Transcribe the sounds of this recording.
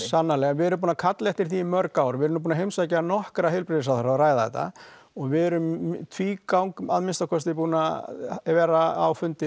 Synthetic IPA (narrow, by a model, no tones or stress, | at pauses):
sanːalɛɣavɪðɛɾʏmpuːnakʰat̪lɛht̪ɪɾ̥θimœɾkawɾvɪɛɾʏmpuːnaɦejmsacaanɔhkɾaɦelpɾɪðɪs̬aθaɾaaraːjðaɛ̰t̪a̰ | ɔɣvɪðɛɾʏmt̪ʰviːkawŋkaðmɪnst̪awkʰɔst̪ɪpuːnavɛːɾaa̰wfʏnt̪ɪ